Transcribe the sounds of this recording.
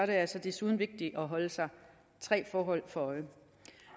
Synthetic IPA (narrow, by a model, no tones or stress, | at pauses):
ɒɾ̥e̝æɐælsɒ̽d̥esuːð̞ˠn̩ʋe̝ɡ̥̚d̥iʔɒ̽ɦɒ̽ləsɑ̈ɪ | t͡sʰʁɛ̰ːfɒːɦɒ̽l̰fɒ̽ɒ̽ɪə